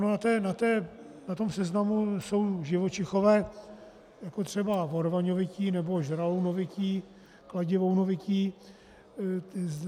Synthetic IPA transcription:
ʔanonat̪ɛːnat̪ɛː | nat̪o̞msɛznamuso̞wʒɪvo̞t͡ʃɪxo̞vɛː | jakot̪r̝̥ɛbavoɾvaɲovɪciːnɛbo̞ʒɾaownovɪciː | klaɟɪvownovɪciː

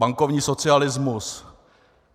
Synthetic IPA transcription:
aŋkovɲiːso̞t͡sɪalɪzmus

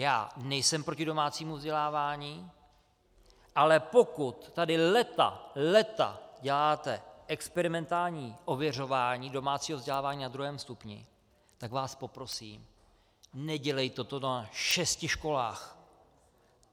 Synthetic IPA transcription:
jaːnɛjsɛmpɾocɪdo̞maːt͡siːmuvzɟɛlaːvaːɲiː | ʔalɛpo̞kut̪ːadɪlɛt̪a̰lɛt̪a̰ɟɛlaːt̪ɛʔɛkspɛɾɪmɛnt̪aːlɲiːʔo̞vjɛr̝o̞vaːɲiːdo̞maːt͡siːɦovzɟɛlaːvaːɲiːnad̪ɾuɦɛːmst̪upɲɪ̰ | t̪akvaːspo̞pɾo̞siːm | nɛɟɛlɛjt̪ot̪onaʃɛscɪʃko̞la̰ːx

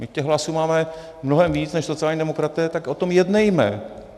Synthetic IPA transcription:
mɪcɛɣɦlasuːmaːmɛ | mno̞ɦɛmviːt͡snɛʃso̞t͡sɪaːlɲiːdɛmo̞kɾat̪ɛːt̪akʔot̪o̞mjɛdnɛjmɛ̰

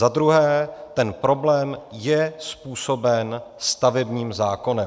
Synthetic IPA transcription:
zad̪ɾuɦɛːt̪ɛnpɾo̞blɛːmjɛspuːso̞bɛnst̪avɛbɲiːmzaːko̞nɛ

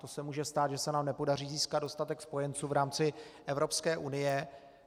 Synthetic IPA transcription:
t̪o̞sɛmuːʒɛst̪aːt̪ʒɛsɛnaːmnɛpo̞dar̝iːziːskad̪do̞st̪at̪ɛkspo̞jɛnt͡suːvɾaːmt͡sɪʔɛvɾo̞pskɛːʔunɪjɛ

